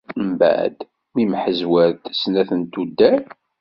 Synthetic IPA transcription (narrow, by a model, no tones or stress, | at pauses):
mbæ̰ʕd̪ | mimħəzwæɾt̪snæθənt̪ud̪ːæɾ